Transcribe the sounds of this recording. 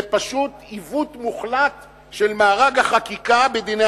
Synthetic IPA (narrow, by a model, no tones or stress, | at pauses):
paʃut̪ivut̪muχlat̪ | ʃelmaːʁaɡhaχakikabed̪ine